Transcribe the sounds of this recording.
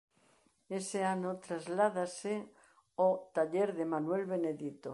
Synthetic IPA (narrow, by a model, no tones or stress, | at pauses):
eseanot̪ɾazlað̞ase | ot̪aʎeɾðemanwelβeneðit̪o